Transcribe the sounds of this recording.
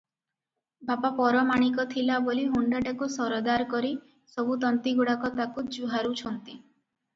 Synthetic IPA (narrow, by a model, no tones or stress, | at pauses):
bapapɔɾɔmaɽ̃ikɔt̪ʰilaboliɦuɳɖɔʈakusɔɾɔd̪aɾkɔɾi | sɔbut̪ɔnt̪iɡuɽakɔt̪akud͡ʒuɦaɾut͡ʃʰɔnt̪i